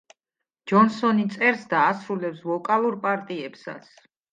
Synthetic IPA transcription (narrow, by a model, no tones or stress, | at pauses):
d͡ʒɔnsɔnit̪sʼɛɾsd̪aːsɾulɛpsvɔkʼalˠuɾpʼaɾt̪ʼiɛpsa̰t̪sʰ